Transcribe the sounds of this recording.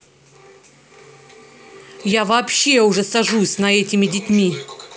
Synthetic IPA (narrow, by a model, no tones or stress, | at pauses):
javɐːpɕːe̞ʊʐɛsɐʐusʲnɐɛtʲɪmʲɪdʲɪtʲmʲi